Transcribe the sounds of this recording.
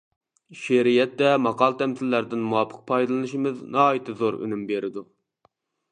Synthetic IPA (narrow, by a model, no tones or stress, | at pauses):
ʃeɾijɛt̪ːɛmɑqɑlˠt̪ʰɛmsɪlːæɾd̪ɪnmuwɑpʰə̥q̚pʰɑjd̪ɨlˠɨnɨʃimɨznɑit̪ʰɨzoɾy̰nymbeɾɪd̪u